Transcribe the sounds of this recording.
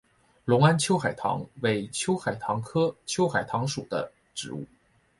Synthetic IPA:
lʊ˧˥ŋa˥nt͡ɕʰjo˥ʊxa˨˩ɪt̪ʰɑ̰˧˥ŋwe˧˥ɪt͡ɕʰjo˥ʊxa˨˩ɪt̪ʰɑ˧˥ŋkʰɤ˥t͡ɕʰjo˥ʊxa˨˩ɪt̪ʰɑ˧˥ŋʂu˨˩d̪ə̰˦ | ʈ͡ʂɻ̩˧˥ṵ˥˩

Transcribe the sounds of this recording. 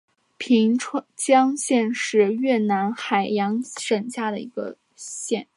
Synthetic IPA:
pʰi˧˥ŋʈ͡ʂʰt͡ɕjɑ˥ŋɕjɛ˥˧nʂɻ̩˥˧ɥɛ˥˩na˧˥nxa˨˩ɪjɑ˧˥ŋʂə˨˩ŋɕja˥˩d̪ə˩ḭ˧˥ɡə̰˧ | ɕjɛ˥˧n

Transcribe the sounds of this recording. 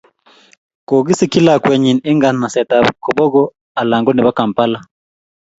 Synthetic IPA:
ko˨ɡi˦si˦ki˦la˦˨kwɛ˨ɲi˨nɪ˦ŋɡa˨nma˨sɛ˨ta˨kɔ˨bɔ˦ɡɔ˦ | a˨la˨ŋɡɔ˦nɛ˨ba˦ka˨mpa˦la˦

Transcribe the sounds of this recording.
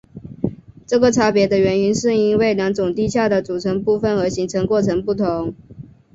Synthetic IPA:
ʈ͡ʂɤ˥˩ɡə˩ʈ͡ʂʰa˥pjɛ˧˥d̪ə˧ɥɛ˧˥ny˧˥nʂɻ̩˥˩i˥nwe˥˩ɪljɑ˧˥ŋʈ͡ʂʊ˨˩ŋt̪i˥˧ɕja˥˩d̪ə˩t͡su˨˩ʈ͡ʂʰə˧˥ŋpu˥˧fə˨˩nə˧˥ɕi˧˥ŋt͡sʰə˧˥ŋkwɔ˥˩ʈ͡ʂʰə˧˥ŋpu˥˩t̪ʰʊ˧˥˦ŋ

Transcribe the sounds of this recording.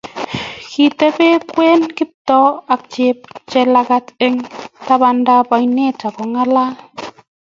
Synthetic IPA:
ki˨te˦be˦kwe˦nki˦p̚tɔ˦a˨k̚t͡ʃe˧p̚t͡ʃe˧la˧ka˧te˦ŋta˦ba˧nda˦pa˨˧jne˦ta˨kɔ˨ŋa˦la˦

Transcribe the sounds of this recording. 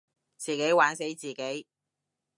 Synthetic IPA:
t͡siː˨ke˨˥jwaː˨˥nse˨˥jt͡siː˨˩ke˨˥j

